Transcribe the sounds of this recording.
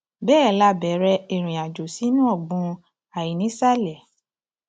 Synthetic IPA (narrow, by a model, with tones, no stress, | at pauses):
bɛː˦˨˦la˧˦bɛ˨˦ɾɛ˧i˨ɾ̃ĩ˨a˨d͡ʒo˨si˨˦nũ˦ɔ˦˨ɡ͡bũ˧˦ | a˨i˨nĩ˨˦sa˦lɛ˨